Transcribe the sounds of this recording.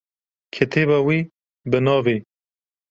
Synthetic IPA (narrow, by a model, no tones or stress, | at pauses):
kʰet̪ʰeːbawiː | bɨnɑːveː